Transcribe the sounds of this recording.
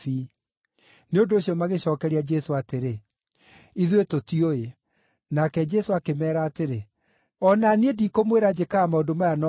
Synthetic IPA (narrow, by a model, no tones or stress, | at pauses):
i | neondooɕiɔmaɣeɕɔːkɛɾiad͡ʒɛsoateɾe | iðwetotioe | nakɛd͡ʒɛsoakemɛːɾaːteɾe | ɔnaneedikomweɾad͡ʑekaːmaodomajanɔ